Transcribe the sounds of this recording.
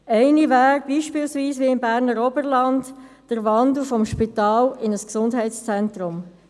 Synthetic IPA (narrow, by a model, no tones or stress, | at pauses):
ɛɪnivæːɾbiːʃpɪːlsviːsʋiɪmbæːʁnəɾɔbəɾlɑnt | d̥əɾʋɑndl̩fɔmʃpitɑːlɪnəsksʊndɦɛɪtst͡sɛntɾʊm